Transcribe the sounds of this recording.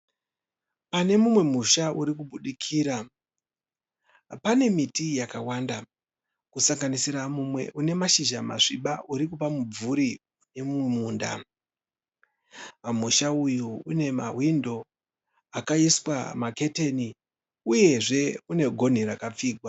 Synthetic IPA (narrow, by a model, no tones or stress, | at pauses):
pane̞mumwe̞muʃaʔuɾikuɓuɗikʰiːɾa | pane̞mitijakawanda | kusaŋɡanisiɾamumwe̞̰ʔune̞maʃiʒama̰ʐiɓaʔuɾikupamub͡vuɾi | ne̞mumwemuːnda̰ | amuʃaujuːne̞ma̰windo̞ | akaiswa̰make̞te̞ni | uje̞ʐe̞une̞ɡʱo̞n̤iɾakap͡fiːɡʱwa